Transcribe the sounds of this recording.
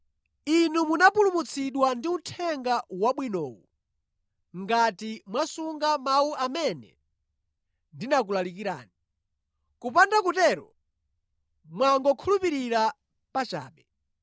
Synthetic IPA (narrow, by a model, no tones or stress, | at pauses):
inumunapulumut͡sʰiɗwandiutʰɛŋɡawaɓwinɔ̰ːwu | ŋɡatimwasuŋɡamauʔamɛnɛ̰ | ndinak̬ulalik̬iɾa̰ːni | kup̬andakutɛɾɔ | mwaŋɡɔkʰulupiɾiɾa | pat͡ʃa̰ːɓɛ